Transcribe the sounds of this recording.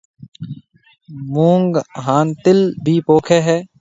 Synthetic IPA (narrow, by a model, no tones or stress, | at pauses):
mũːŋɡɦaːnt̪ɪlbʱiːpoːkʰeːɦɛː